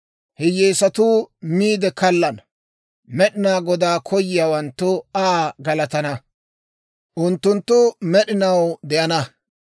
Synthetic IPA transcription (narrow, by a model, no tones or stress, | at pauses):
hɪjːeːsɐt̪uːmiːd̪ɛkɐlːɐn | mɛɗɪnaːɡɔd̪aːkʰɔjɪjaːwɐnt̪ːʊaːɡɐlɐt̪ɐnɐ | ʔʊnt̪ːʊnt̪ːʊmɛɗɪnɐwd̪ɛʔɐnɐ